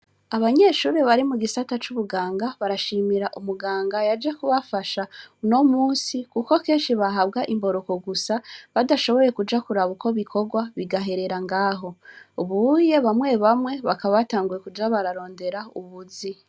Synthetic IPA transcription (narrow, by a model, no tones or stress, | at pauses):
aβaɲe̞ːʃuːɾe̞βaɾimuɡisatat͡ʃuβuɡaːŋɡaβaɾaʃimiɾaʔumuɡaːŋɡajad͡ʒekuβafaʃano̞muːnsikuko̞ke̞ːnʃiβaɦaβɡaʔimbo̞ɾo̞ko̞ɡusaβadaʃo̞βoje̞kud͡ʒakuɾaβuko̞βikʰo̞ɡwaβiɡaɦe̞ɾe̞ɾaŋɡaːɦo̞uβuje̞βamwe̞βamwe̞βakaβaβataːŋɡuje̞kud͡ʒaβaɾaɾo̞ːnde̞ɾauβuzi